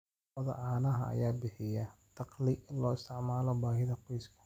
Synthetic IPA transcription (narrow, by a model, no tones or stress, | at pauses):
ɑðɐ̰ʕaːnɐɦɐ̰ʔɐ̰jaːbɪħɪjɐt̪ʰɑqlɪɪnlɔːɪst̪ʰɪʕmaːlɔbaːɦɪðɐqujskʰɐ̥